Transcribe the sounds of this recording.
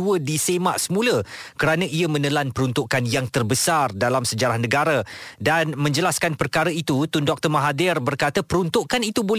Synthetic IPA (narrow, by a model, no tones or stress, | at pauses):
uədisemaʔsəmũləkəɾanãʔiamə̃nəlanpəɾunt̪uʔkanjaŋt̪ərbəsardalamsəd͡ʒaɾahnə̃ɡaɾadanmə̃ɲd͡ʒəlaskanpərkaɾait̪ut̪undɔk̚t̪ərmaɦadɪrbərkat̪apəɾunt̪uʔkanit̪ubol